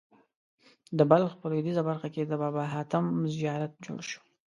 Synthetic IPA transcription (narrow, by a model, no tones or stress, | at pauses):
d̪əbalxpəlod̪izabaɾxaked̪əbɑbaɦɑt̪amzijɑɾat̪̚d͡ʒo̰ɽʃu̥